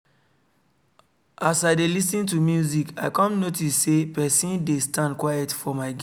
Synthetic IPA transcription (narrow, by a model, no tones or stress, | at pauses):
ʔasaɪdelis̬nĩntumjuzika̰ɪkɔ̃mnotisːepɛsĩndestʰãndkwajɛtfɔmaɪɡ